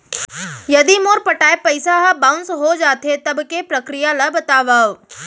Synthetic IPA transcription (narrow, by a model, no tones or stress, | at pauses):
jɐd̪imoːɾpɐʈaːepɐɪsaɦɐbãʊ̃nsɦod͡ʒaːt̪et̪ɐbkepɾɐkɾijalabɐt̪aːʋaːo